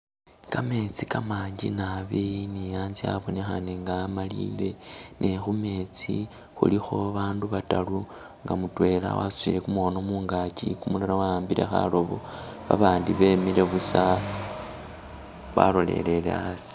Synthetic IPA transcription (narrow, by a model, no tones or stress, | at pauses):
kame̞t͡sikamaːɲɟḭnaβinijaːnzia̰βo̞nexaneŋɡaːmalile̞nʔexume̞t͡si | xṵlixo̞βaːnduβatalu | ŋɡamutwe̞la̰wa̰suḭle̞kumuono̞muːŋɡacḭkumulaɾawaaːmbile̞̰xa̰lo̞βo̰βa̰βaːndiβe̞mile̞βusa | βa̰lo̞le̞̰le̞lḛasi̥